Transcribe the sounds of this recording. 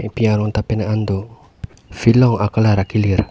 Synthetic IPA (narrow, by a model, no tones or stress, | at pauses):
piaɾɔnt̪apenaʔand̪o | filɔŋakəlaɾakilir